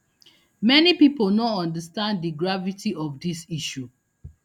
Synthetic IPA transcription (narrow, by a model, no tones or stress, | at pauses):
mɛnipipolnɔɔ̃ndəstãnddiɡɹavitiɔvdisiʃu